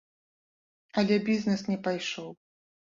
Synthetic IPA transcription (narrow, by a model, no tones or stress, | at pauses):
ɐlʲɛbʲiznɛsnʲɛpajʂɔw